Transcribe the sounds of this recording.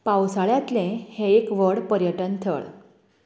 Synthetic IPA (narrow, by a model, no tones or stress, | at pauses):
pawsaɭjãt̪lẽhẽekʋəɽpəɾjəʈənt̪ʰə̰ɭ